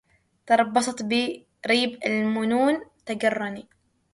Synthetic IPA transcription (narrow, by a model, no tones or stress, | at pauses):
t̪ɑɾˤɑbːɑsˤɑt̪bi | ɾiːbɪlmʊnuːnt̪aɡɑrˤːɑni